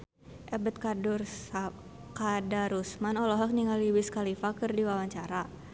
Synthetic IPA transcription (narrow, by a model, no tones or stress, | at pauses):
ʔɛbət̪̚kadʊrsa | kadaɾusmanɔlɔɦɔk̚niŋaliwɪskalifakərdiwawaɲt͡ʃaɾa